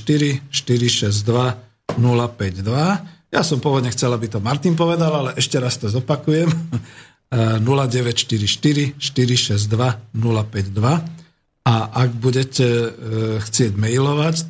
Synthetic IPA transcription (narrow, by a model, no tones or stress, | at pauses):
ʃt̪iɾiʃt̪iɾiʃɛzd̪ʋa | nulapɛɟd̪ʋajasɔmpʊɔʋɔd̪ɲɛxt͡sɛlabit̪ɔmaɾt̪inp̬ɔʋɛd̪alalɛʔɛʃcɛɾast̪ɔzɔpakujɛm | nulaɟɛʋɛcʃt̪iɾiʃt̪iɾiʃt̪iɾiʃɛzd̪ʋanulapɛɟd̪ʋa | aʔaɡbuɟɛcɛ | xt͡sɪɛɟmɛjlɔʋac